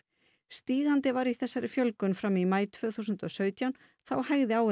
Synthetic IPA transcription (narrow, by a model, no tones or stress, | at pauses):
st̪iːɣant̪ɪvaɾiθɛsːaɾɪfjœlkʏnfɾamimaːjt̪ʰv̥œːθusʏnt̪ɔsœːɥt̪ʰjawn | θawhaɣðɪaw